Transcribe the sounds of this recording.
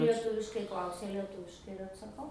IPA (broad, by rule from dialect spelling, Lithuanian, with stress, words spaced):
lʲiɛˈtʊʋʲɪʃkɐɪ ˈklˠɐʊsʲɛ lʲiɛˈtʊʋʲɪʃkɐɪ ɪr ɐtsɐˈkɐʊ